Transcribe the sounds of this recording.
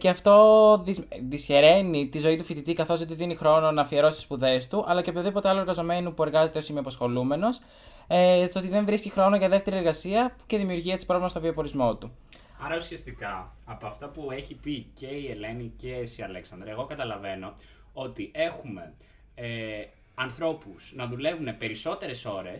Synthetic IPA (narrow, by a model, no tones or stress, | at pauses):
ceɐft̪o̞ðizðisçe̞ɾe̞nit̪izo̞it̪ufit̪it̪ikɐθo̞ot̪iðinixɾo̞no̞nɐfieɾo̞sit̪i̥spuðe̞st̪uʔɐlɐcepoðipo̞t̪eɐlo̞ɾɣɐzo̞me̞nupue̞ɾɣɐze̞t̪eo̞simioɐpɐsxo̞lume̞no̞s | st̪oo̞t̪iðeɱvɾiscixɾo̞no̞ʝɐðe̞ft̪e̞ɾieɾɣɐsiɐce̞ðimiuɾʝiet̪si̥pɾo̞vlimɐst̪viopo̞ɾizmo̞t̪u | ɐɾɐusiɐst̪ikɐɐpoɐft̪ɐpue̞çipice̞iele̞nicesiɐleksɐnd̪ɾɐeɣo̞kɐt̪ɐlɐve̞no̞ | ot̪iʔe̞xume̞ | ɐnθɾo̞pusnɐðule̞vune̞pe̞ɾiso̞t̪e̞ɾe̞so̞ɾe̞s